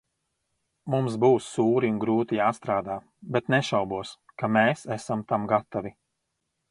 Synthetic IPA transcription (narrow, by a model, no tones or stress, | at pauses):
mumsbuːwsːuːɾiunɡɾuːt̪ijaːst̪ɾaːd̪aː | bet̪nɛʃawbuɔskameːsæsamt̪amɡat̪avi